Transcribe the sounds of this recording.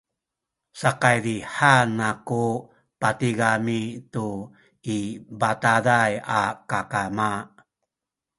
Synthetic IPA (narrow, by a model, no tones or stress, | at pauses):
saqajɾiħanaku | patiɡamitu | ibatadajakakama